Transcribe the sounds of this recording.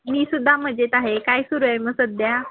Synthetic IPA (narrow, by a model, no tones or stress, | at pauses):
miːsud̪ʱːam̤əd͡ʑet̪aɦekajsuɾuaməsəd̪ja